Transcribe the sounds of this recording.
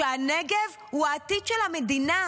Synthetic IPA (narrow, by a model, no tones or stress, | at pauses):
eaneɡev | huat̪id̪ʃɛlhamed̪ina